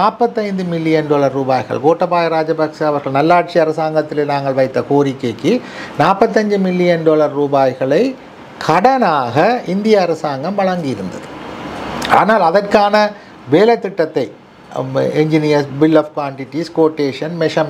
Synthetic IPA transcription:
naːpːɐt̪ːɐɪnd̪ɯmɪlːɪjɐnɖoːlɐɾːuːbaːjɣɐ̰ɭɡoːʈːɐpːaːjɐɾaːd͡ʒɐbɐksaɐʋɐɾɣɐɭnɐlːaːʈ̚t͡ʃiɐɾɐsaːŋɡɐt̪ːɪleːnaːŋɡɐɭʋɐɪt̪ːɐkoːɾɪkːekːɯnaːpːɐt̪̬ːɐɲd͡ʒɯmɪlːɪjɐnɖoːlɐɾːuːbaːjɣɐɭɐɪ | kʰɐɽɐnaːɣɐɪnd̪ɪjɐɐɾɐsaːŋɡɐmʋɐɭɐŋɡɪjɪɾɯnd̪ɐ̰ðɯ | a̰ːnaːlɐðɐrkaːnɐ | ʋeːlɐt̪ːɪʈːɐt̪ːɐɪ | ɛɲd͡ʒɪnɪjɐsbɪlːɐʋkʋaːɳʈɪʈːiskoːʈːeːʂɐnmɛʂɐm

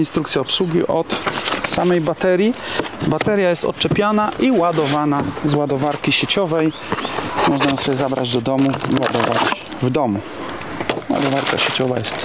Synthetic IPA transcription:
inst̪ɾukt̪sʲjaɔpswuɡʲiʔɔt̪samɛjbat̪ɛɾʲjibat̪ɛɾjajɛst̪ɔ̰t̪̚t͡ʂɛpʲjanaʔiwad̪ɔvanazwad̪ɔvaɾkʲiɕet͡ɕɔvɛj | mɔʐnajɔ̃msɔbʲjɛzabɾa̰d͡ʑd̪ɔd̪ɔmuiwad̪ɔvat͡ɕ | vd̪ɔmu | wa̰d̪ɔvaɾka̰ɕet͡ɕɔva̰jɛst̪

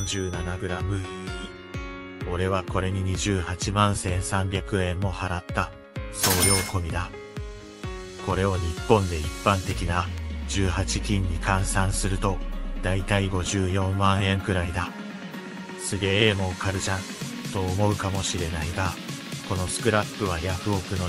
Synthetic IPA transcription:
ɲd͡ʑɨːnanaɡɯ̟ɾamɯ̟i | o̞ɾe̞βako̞ɾe̞ɲ̟iɲ̟iʑɨːhat͡ɕimãɰ̃sẽ̞ɰ̃sãmbʲakɯ̟ẽ̞mːo̞haɾat̪ːa | so̞ːjo̞ːko̞mʲid̪a | ko̞ɾe̞o̞ɲ̟ipːõ̞nd̪e̞ipːãnt̪e̞kʲinaʑɨːhat͡ɕikʲĩɲ̟ːikãɰ̃sãɰ̃sɨɾɯ̟t̪o̞d̪ait̪aiɡo̞ʑɨːjõ̞mːãɰ̃ẽ̞ŋkɯ̟ɾaid̪a | sɨɡe̞ːmo̞kaɾɯ̟t͡ɕã | t̪o̞ːmo̞ɯ̟kamo̞ɕiɾe̞naiɡa | ko̞no̞sɨ̥kɯ̟ɾapːɯβ̞ajaɸɯ̟o̞kɯ̟no

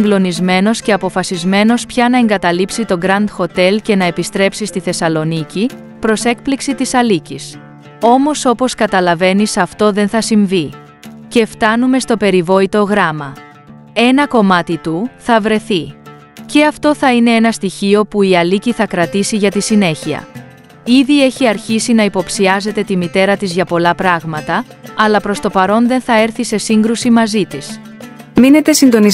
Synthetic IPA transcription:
iŋɡlo̞nizme̞no̞sce̞ɐpo̞fɐsizme̞no̞spçɐnɐe̞ŋɡɐt̪ɐlipsit̪o̞ɡɾɐnd̪xo̞t̪e̞lce̞nɐe̞pist̪ɾe̞psist̪iθe̞sɐlo̞nici | pɾo̞se̞k̚pliksit̪isɐlicis | o̞mo̞so̞po̞skɐt̪ɐlɐve̞nisɐft̪o̞ðe̞nθɐsiɱvi | ce̞ft̪ɐnume̞st̪o̞pe̞ɾivo̞it̪o̞ɣɾɐmɐ | e̞nɐko̞mɐt̪it̪uθɐvɾe̞θi | ce̞ɐft̪o̞θɐine̞enɐst̪içio̞puiɐliciθɐkɾɐt̪isiʝɐt̪isine̞çiɐ̰ | iðie̞çiɐɾçisinɐipo̞psiɐze̞t̪e̞t̪imit̪e̞ɾɐt̪izʝɐpo̞lɐpɾɐɣmɐt̪ɐː | lɐpɾo̞st̪o̞pɐɾo̞nðe̞nθɐe̞ɾθise̞siŋɡɾusimɐzit̪is | mine̞t̪e̞sind̪o̞ni

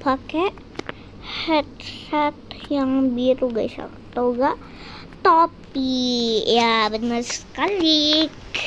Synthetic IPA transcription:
pakɛ | hɛt̪̚sat̪̚jaŋbiɾuɡaisa̰ | t̪ouɡaʔ | t̪ɔp̚ | ijabənərsə̥kalik

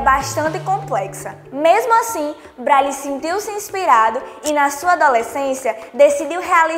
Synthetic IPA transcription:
baʃt̪ɐ̃nt̪ɪkõplɛksɐ | mezmʊasĩ | bɾalisẽnt̪iwsɪĩspiɾad̪ʊinɐsuɐad̪olesẽsiɐd̪esid̪iwɦɛali

